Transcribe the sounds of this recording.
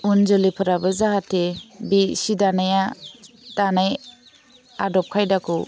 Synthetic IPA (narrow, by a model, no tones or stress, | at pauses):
unzɯlipʰɯɾabɯzaɦatebisidanaja | tanaj | adɔp̚kʰajdaku